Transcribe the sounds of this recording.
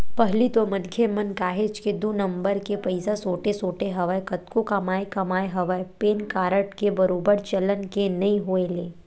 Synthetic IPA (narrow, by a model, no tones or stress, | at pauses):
pɐɦlit̪omɐnkʰemənkaːɦeːt͡ʃked̪uːnə̃mbəɾkepɐɪsasoːʈesoːʈeɦɐʋəekɐt̪kokɐmaːekɐmaːeɦɐʋəjpeːnkaːɾəʈkebɐɾoːbəɾt͡ʃɐlənkenɐĩɦoːeleː